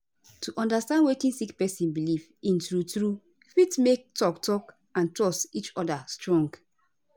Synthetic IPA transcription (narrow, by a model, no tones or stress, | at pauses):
tuʔɔ̃ndastãndwekĩnsikpɛsĩnbilivĩntɹutɹu | fitmek̚tɔktɔk | ãntɹɔstit͡ʃɔdastɹɔ̃ŋɡ